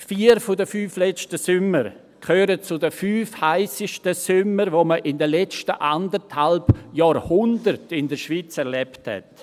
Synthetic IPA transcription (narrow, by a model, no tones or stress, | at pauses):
fiːəɾfʊdəfyːflɛt͡ʃtəsʏməɾ | kʰøːɾət͡sʊdəfyːfhaɪsɪʃtəsʏməɾʋoməʔɪndəlɛt͡stəʔandəthalbjaːɾhʊndəɾtɪndəʃviːt͡sɛɾlɛpthɛ̰t